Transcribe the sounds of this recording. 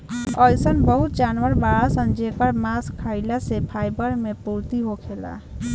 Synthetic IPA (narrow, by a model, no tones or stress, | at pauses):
ɔjsənbəɦut̪̚d͡ʒaːnʋəɾbaɭasəmd͡ʒʱekəɾmaskʰːaɪlasepʰajbəɾmẽpuɾt̪iɦokʰela̰